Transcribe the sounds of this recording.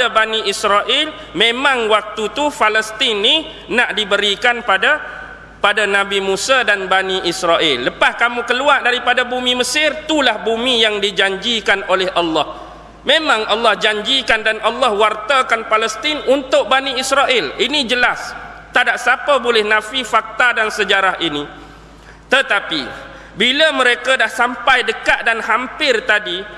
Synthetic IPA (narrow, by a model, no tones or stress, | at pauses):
abaniisɾaʔɪl | mẽmãŋwak̚t̪ut̪ufaləst̪ɪnːi | naʔdibəɾikanpada | padanãbimusadanbaniʔisɾaʔɪlːəpahkamũkəluaʔdaɾipadabumĩməsɪrt̪ulahbumijaŋdid͡ʒaɲd͡ʒikanolɛhʔɑlːɑh | mẽmãŋɑlːɑhd͡ʒaɲd͡ʒikandanʔalːɑhwart̪akanpaləst̪inunt̪ʊk̚banĩisɾaʔɪlinĩd͡ʒəlast̪adaʔsapəbolɛhnãfifak̚t̪adansəd͡ʒaɾaɦʔinĩ | t̪ət̪api | biləmə̃ɾekadahsampajdəkaʔ̪̚danhampɪrt̪adi